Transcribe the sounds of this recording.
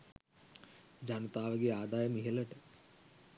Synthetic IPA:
d͡ʒanɐt̪aːʋəɡeaːd̪aːjəmiɦeləʈə

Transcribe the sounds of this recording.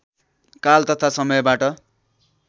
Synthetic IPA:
kalt̪ʌt̪ʰasʌmʌjbaʈʌ

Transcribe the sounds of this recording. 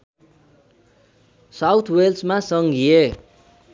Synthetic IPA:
sawt̪ʰwelsmasʌŋɡʱije

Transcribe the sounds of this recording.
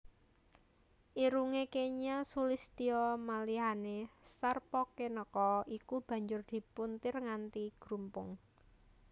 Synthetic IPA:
ʔiɾuŋekeɲasulist̪iɔmaliɦanesarpɔkenəkɔʔikub̥ä̤ɲd͡ʒʊrd̪̥i̤punt̪ɪrŋant̪iɡ̥ɾumpʊŋ

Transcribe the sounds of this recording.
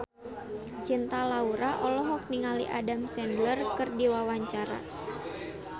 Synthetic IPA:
t͡ʃint̪alauɾaʔɔlɔɦɔk̚niŋalḭʔa̰damsɛndlərkɨrdiwawaɲt͡ʃaɾa̰

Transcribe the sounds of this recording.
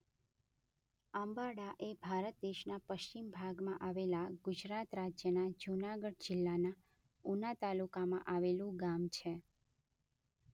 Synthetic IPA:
ambaɽaʔebʱaɾət̪̚d̪eʃnapəʃt͡ʃimbʱaɡmãʔaʋelaɡʊd͡ʒɾat̪ɾad͡ʒjənad͡ʒunaɡəɽd͡ʒɪlːana | unat̪alukamã̰ʔaʋelũɡamt͡ʃʰe

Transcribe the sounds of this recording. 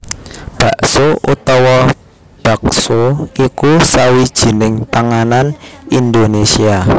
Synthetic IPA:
b̥a̤ʔsoṵt̪ɔwɔ | b̥ä̤ksoikusawid̥ʒ̥i̤nɪŋpaŋananind̪onesia

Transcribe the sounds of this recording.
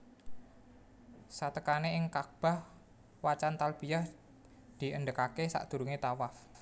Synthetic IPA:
sat̪əkaneɪŋkak̚b̥a̤h | wat͡ʃant̪alb̥ijah | d̪̥i̤ʔənɖəkakesa̰ʔd̪̥ṳɾuŋet̪awaf

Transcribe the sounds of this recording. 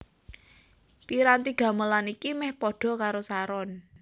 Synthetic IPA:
piɾant̪iɡ̥a̤məlanikimɛhpɔɖ̥ɔ̤kaɾosaɾɔn

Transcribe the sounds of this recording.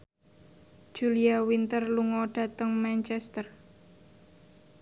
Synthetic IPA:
ʒ̥uliawint̪ərluŋɔɖ̥ä̤t̪əŋmant͡ʃɛst̪ər

